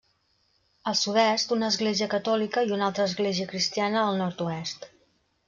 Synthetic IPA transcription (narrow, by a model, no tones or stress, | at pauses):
əlˠsuðɛst̪unəːzɣleziəkət̪ɔlikəiunalˠt̪ɾəːzɣleziəkɾist̪ianəəlˠnɔɾt̪uɛst̪